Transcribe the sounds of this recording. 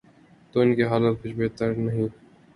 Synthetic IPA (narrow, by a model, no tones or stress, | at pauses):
t̪oːɪnkeɦaːlət̪̚kʊt͡ʃʰbeːt̪əɾnɐɦĩ